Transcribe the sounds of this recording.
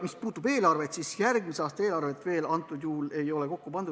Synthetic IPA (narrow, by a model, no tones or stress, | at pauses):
mispuːt̪ːˑube̞ːlɑrve̞t̪sisjærɡmiseɑːst̪ɑeːlɑrve̞t̪ːˑve̞ːlɑnt̪ːˑud̪̥juːle̞jo̞le̞ko̞kːupɑnd̪u